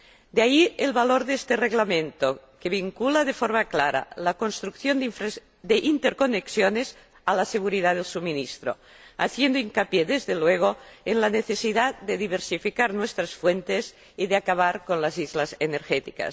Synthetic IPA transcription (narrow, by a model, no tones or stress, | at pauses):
d̪eaielβaloɾðest̪ereɣlamẽnt̪okeβiŋkulaðefoɾmaklaɾa̰lakonst̪ɾukθjond | d̪eʔint̪eɾkoneksjonez | alaseɣ̞uɾiðaðelsuminist̪ɾo̰ | a̰θjend̪oiŋkapjeðezðelweɣ̞oenlaneθesiðad̪eðiβ̞eɾsifikaɾnwest̪ɾasfwent̪ez | iðeakaβ̞aɾkonlazizlazeneɾxet̪ika̰s